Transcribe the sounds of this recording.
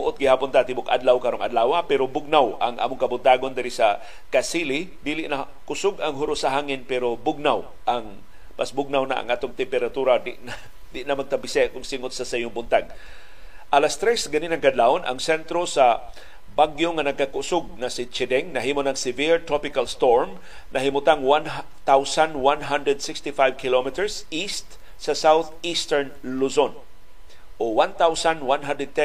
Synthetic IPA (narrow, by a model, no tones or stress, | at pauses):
mʊʔot̪ɡɪhaːpont̪at̪ɪbʊkʔa̰d̪lawkaɾoŋʔɐ̰dlaːwapɛɾobʊɡ̚nawaŋʔa̰ːmʊŋkɐbʊnt̪aːɡond̪ɪɾɪsa | kasilid̪iːlɪʔna | kʊsʊɡaŋɦʊɾʊsaɦaːŋɪnpɛɾobʊɡ̚naw | ʔaŋ | masbʊɡ̚nawna̰ʔa̰ŋʔaːt̪oŋt̪ɛmpɛɾat̪uɾad̪ɪʔna | d̪ɪʔnamɐɡ̚t̪apɪsɛkʊŋsɪŋʊt̪̚sasajʊŋbʊnt̪aɡ̚ | ʔalast̪ɾɛsɡaninɐŋkad̪laona̰ŋsɛnt̪ɾosa | baɡjoŋanɐɡ̚kakʊʔsʊɡ̚nasɪt͡ʃɛd̪ɛŋnɐɦiːmonɐŋsɪviɹt̪ɾopɪkalst̪oɹm | nʔɐɦɪmʊt̪aŋwan | t̪awsanwanɦand̪ɾɛd̪sɪkst̪ɪfajvkʰɪlomɪt̪ɛɹsist̪ | sasawt̪ist̪ɛɹnluson | ʔowant̪awsanwanɦand̪ɹɛd̪̚t̪ɛ